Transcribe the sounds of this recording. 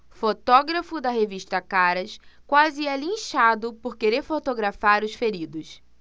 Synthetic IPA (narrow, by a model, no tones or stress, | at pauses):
fot̪ɔɡɾɐfʊd̪ɐɦeviʃt̪ɐkaɾɐskwazɪɛlĩʃad̪ʊpoɾkeɾeɾfot̪oɡɾafaɾʊsfeɾid̪ʊs